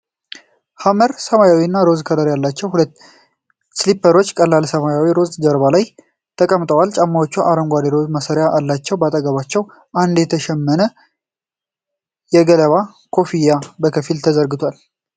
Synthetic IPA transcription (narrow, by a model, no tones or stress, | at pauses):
haməɾsəmajawinːaɾo̞zkʰəd̪əɾjalːat͡ʃːɛwhulət̪ː | slipːəɾo̞t͡ʃːkʼəlːalsəmajawiɾo̞zd͡ʒəɾβalaj | t̪ʰəkʼəmt̪ʼəwalt͡ʃʼamːawot͡ʃːuʔaɾəmɡʷad̪eɾoməsəɾjaʔalːat͡ʃːɛwbat̪ʼəɡəβat͡ʃːɛw | ʔand̪jɛt̪ʰəʃɛmːənə | jɛɡələβa | kʰo̞fijabəkʰəfilt̪ʰəzəɾɡɨt̪ʰwal